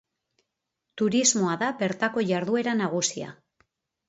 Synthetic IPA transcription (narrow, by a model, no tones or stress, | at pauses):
t̪uɾizmo̞aðaβe̞ɾt̪ako̞ʝaɾðue̞ɾanaɣ̞usia̰